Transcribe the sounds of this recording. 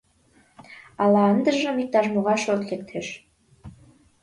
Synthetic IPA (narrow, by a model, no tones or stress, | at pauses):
ɑlˠɑənd̪ə̆ʒɤ̆mʲik̚t̪ɑʒmoʁɑʃot̪lek̚t̪ʰeʃ